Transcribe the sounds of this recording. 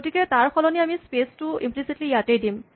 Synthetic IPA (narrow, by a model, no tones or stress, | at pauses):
otikɛtaɹkʰɔlɔniamispestʊḭmplisitlijatejdim